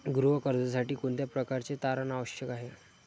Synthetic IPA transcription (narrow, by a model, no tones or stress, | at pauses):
ɡɾuʋəkəɾd͡zəsaʈiːkoɳt̪japɾəkaɾt͡set̪aɾanaʋəɕjəkaɦe